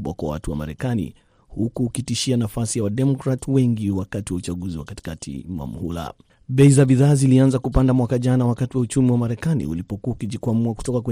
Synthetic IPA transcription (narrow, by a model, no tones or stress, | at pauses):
ɓwa̰kwa̰wa̰tuwa̰ma̰ɾɛkanḭ | hukuːkitiʃianafasijawaɗɛmɔkɾatwɛŋɡiwakatiwaut͡ʃaɡuziwa̰kati̥katʰḭma̰mṵhula̰ | ɓɛizabiðaːzilianzakupandamwakaʄanawakatiwaut͡ʃumiwamaɾɛkanḭṵlipɔkuaukiʄikwamuaku̥tɔkakwɛ